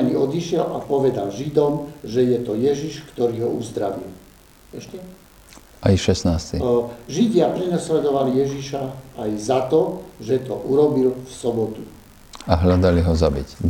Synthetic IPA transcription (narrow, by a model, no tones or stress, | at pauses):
ɲiɔd̪iʃɪɛlapɔʋɛd̪alʒid̪ɔmʒɛjɛt̪ɔjɛʒiʃkt̪ɔɾiːɦɔuzd̪ɾaʋḭl | ɛʃcɛ | ajʃɛsnaːst̪iʒiɟɪapɾɛnaslɛd̪ɔʋalijɛʒiʃaːjzat̪ɔʒɛt̪ɔ̰ʔuɾɔbilfsɔbɔt̪u | aɦlad̪aliɦɔzabic